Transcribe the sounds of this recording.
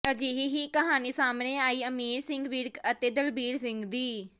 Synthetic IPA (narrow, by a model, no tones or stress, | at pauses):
əd͡ʒiːɦiːɦiːkəɦaːniːsaːmneːaːiːəmiːɾsɪŋɡʋiɾkət̪eːd̪əlbiːɾsɪ̃ŋɡd̪iː